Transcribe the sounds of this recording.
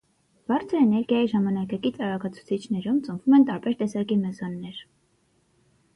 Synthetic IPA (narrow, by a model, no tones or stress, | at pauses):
b̥ɑɾt͡sʰəɾɛnɛɾɡjɑjiʒɑmɑnɑkɑkit͡sɑɾɑkɑt͡sʰu̥t͡sʰit͡ʃʰnɛɾumt͡səɱvumɛnt̪ɑɾbɛɾt̪ɛsɑkimɛzɑnːɛɾ